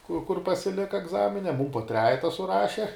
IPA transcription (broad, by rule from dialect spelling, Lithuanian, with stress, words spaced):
kʊr kʊr pɐsʲɪˈlʲɪkɐ ɛɡˈzɑːmʲɪnʲɛ ˈmuːm poː ˈtʲrʲæːjɛtɐ sʊˈrɑːʃʲɛ